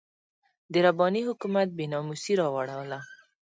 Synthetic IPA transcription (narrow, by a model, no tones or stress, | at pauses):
d̪əɾabɑnihʊkumat̪̚benɑmusiɾɑwaɽawla